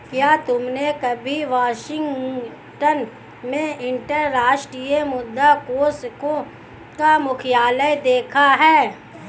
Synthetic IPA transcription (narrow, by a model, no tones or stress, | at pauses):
kjaːt̪ʊmnekɐbʱiʋaːʃɪ̃ŋɡ | ʈən | mẽɪ̃ɳʈəɾːaːʃʈɾijəmʊd̪ːakoːskõ | kamʊkʰɪjaːləjd̪eːkʰaɦɛː